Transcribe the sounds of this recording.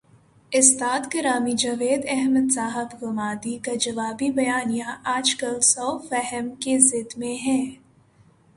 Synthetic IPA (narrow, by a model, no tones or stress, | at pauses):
ɪst̪aːd̪kɪɾaːmid͡ʒɐʋeːd̪ɛɦməd̪saːɦɪbɡʊmaːd̪ikad͡ʒɐʋaːbibɐjaːnijaʔaːd͡ʒkəlsɔːfɛɦəmkezɪd̪mẽɦɛ̃ː